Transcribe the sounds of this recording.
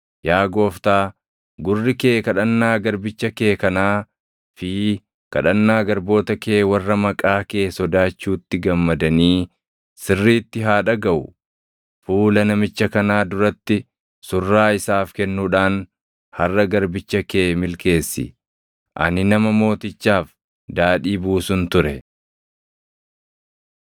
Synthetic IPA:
jaːɡo̞ːft̪aː | ɡʊrːɪkeːkɐᶑɐnːaːɡɐɾbɪt͡ʃːɐkeːkɐnaː | fɪ | kɐ̰ᶑɐnːaːɡɐɾbo̞ːt̪ɐke̞ːwɐrːɐmɐkʼaːke̞ːsɔd̪aːt͡ʃːuːt̪ːɪɡɐmːɐd̪ɐniː | sɪrːiːt̪ːɪɦaːᶑɐɡɐʔʊ̰ | fuːlɐnɐmɪt͡ʃːɐkɐnaːd̪ʊɾɐt̪ːɪ | sʊrːaːɪsaːfkɛnːuːᶑaːn | hɐrːɐɡɐɾbɪt͡ʃːɐke̞ːmɪlke̞ːsːɪ̰ | ʔɐ̰nɪnɐmɐmo̞ːt̪ɪt͡ʃːaːf | d̪aːᶑiːbuːsʊnt̪ʊɾɛ

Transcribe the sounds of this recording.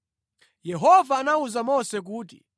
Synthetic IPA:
jɛɦɔvaːnauzamɔsɛk̬uːt̬ḭ

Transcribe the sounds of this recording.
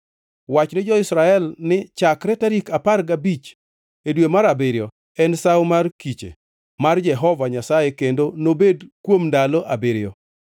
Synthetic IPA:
wat͡ʃnɪd͡ʒɔɪsɾaɛlnɪt͡ʃakɾɛtaɾikaparɡabit͡ʃ | edwemaɾabeɾjɔ | ɛnsawmarkit͡ʃḛ | mard͡ʒɛɦɔvaɲasajekendonobedkwomndaloʔabeɾɪɔ

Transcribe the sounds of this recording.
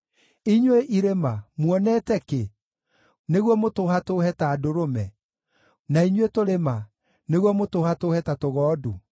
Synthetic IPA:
iɲweʔiɾemamwɔnɛtɛke | neɣwɔmotoːhatoːhɛtaːdoɾomɛ | naiɲwetoɾema | neɣwɔmotoːhatoːhɛtatoɣɔːdu

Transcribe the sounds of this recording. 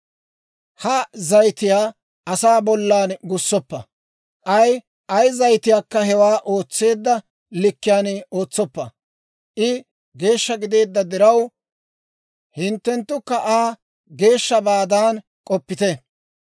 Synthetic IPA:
hɐzɐjt̪ɪjaː | ʔɐsaːbɔlːaːnɡʊsːɔpːɐ | ʔɐj | ʔɐjzɐjt̪ɪjaːkːɐhɛwaːʔo̞ːt͡sːe̞ːd̪ːɐ | lɪkːɪjaːno̞ːt͡sːɔpːɐ | ʔɪ | ɡe̞ːʃːɐɡɪd̪e̞ːd̪ːɐd̪ɪɾɐw | hɪnt̪ːɛnt̪ːʊkːɐʔaː | ɡe̞ːʃːɐbaːd̪aːn | kʼɔpːɪt̪ɛ

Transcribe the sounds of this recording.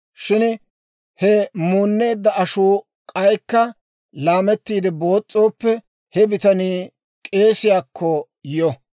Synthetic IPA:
ʃɪn | hɛmuːnːe̞ːd̪ːɐɐʃuː | kʼɐjkːɐ | laːmɛt̪ːiːd̪ɪbo̞ːt͡sʼːo̞ːpːɛ | hɛbɪt̪ɐniː | kʼe̞ːsɪjaːkʰːɔ | jɔ

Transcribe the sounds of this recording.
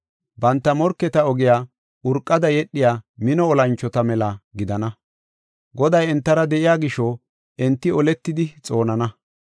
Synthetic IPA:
bɐnt̪ːɐmɔɾkːɛt̪ɐɔɡɪjaː | ʊɾkʼːɐd̪ɐjɛɗːɪjaːmɪnɔːlɐnt͡ʃːɔt̪ɐmɛlɐɡɪd̪ɐnɐ | ɡɔd̪ɐjɛnt̪ːɐɾɐd̪ɛʔɪjaːɡɪʃɔ | ʔɛnt̪ːɪɔlɛt̪ːɪd̪ɪt͡sʼo̞ːnɐnɐ

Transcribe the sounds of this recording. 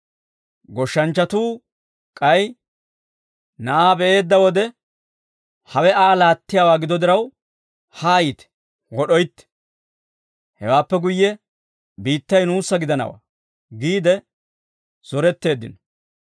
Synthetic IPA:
ɡɔʃːɐnt͡ʃːɐt̪uː | kʼɐj | nɐʔaːbɛʔe̞ːd̪ːɐwɔd̪ɛ | hɐwɛʔaːlaːt̪ːɪjaːwaːɡɪd̪ɔd̪ɪɾɐw | haːjiːt̪ɛ̥ | wɔɗɔjt̪ːɛ̥ | hɛwaːpːɛɡʊjːɛ | biːt̪ːɐjnuːsːɐɡɪd̪ɐnɐ̰wa̰ː | ɡiːd̪ɛ | z̥ɔɾɛt̪ːe̞ːd̪ːɪ̰nɔ

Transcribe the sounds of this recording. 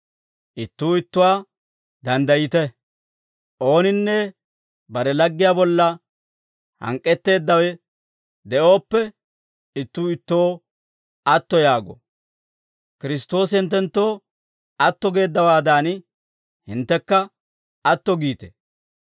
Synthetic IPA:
ʔɪt̪ːuːɪt̪ːʊwaː | d̪ɐnd̪ɐjɪt̪ɛ | ʔo̞ːnɪnːɛ | bɐɾɛlɐɡːɪjaːbɔlːɐ | hɐ̰ŋkʼːɛt̪ːe̞ːd̪ːɐwɛ | d̪ɛʔo̞ːpːɛ | ɪt̪ːuːɪt̪ːo̞ː | ɐt̪ːɔjaːɡɔ̰ | kɪɾɪst̪o̞ːsɪnt̪ːɛnt̪ːo̞ː | ɐt̪ːɔɡe̞ːd̪ːɐwaːd̪aːn | hɪnt̪ːɛkːɐ | ɐt̪ːɔɡiːt̪ɛ̰

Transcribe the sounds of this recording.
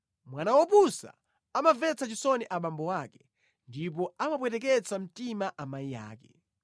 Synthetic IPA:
mwanawɔpusa̰ | amavɛt͡sʰat͡ʃisɔniʔaɓambɔwaːkɛ̥ | ndip̬ɔamap̬wɛtɛk̬ɛt͡sʰam̩timaʔamaija̰ːkɛ

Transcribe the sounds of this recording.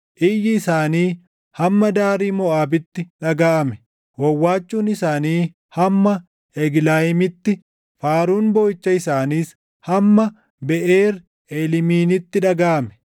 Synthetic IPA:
ʔɪjɪːsaːniː | hɐmːɐd̪aːɾiːmɔʔaːbɪt̪ːɪᶑɐɡaːʔɐmɛ̥ | wɐwːaːt͡ʃːuːnɪsaːniː | hɐmːɐ | ɛɡlaːjɪmɪt̪ːɪ | faːɾuːnboːɪt͡ʃːɐɪsaːniːs | hɐmːɐ | bɛʔeːɾ | eːlɪmiːnɪt̪ːɪᶑɐɡaːʔɐmɛ̥

